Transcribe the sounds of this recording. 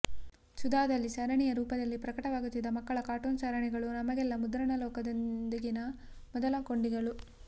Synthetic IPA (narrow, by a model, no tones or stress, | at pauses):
sud̪aːd̪ɐlːisɐɾɐɳijɐɾuːpɐd̪ɐlːipɾɐkɐʈɐʋaːɡut̪ːid̪ɐmɐkːɐɭɐkaːʈuːnsɐɾɐɳiɡɐɭunɐmɐɡɛlːɐmud̪ɾɐɳɐlɔːkɐd̪ond̪ɐɡinɐ | mɔd̪ɐlɐkoɳɖiɡɐɭu